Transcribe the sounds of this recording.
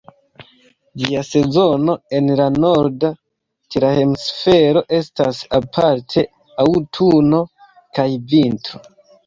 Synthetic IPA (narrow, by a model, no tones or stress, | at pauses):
d͡ʒiase̞zo̞no̞e̞nlano̞ɾda | tiɾahemsfe̞ɾo̞ʔe̞stasapʰaɾtʰe̞ | awtʰuno̞ | kajvintɾo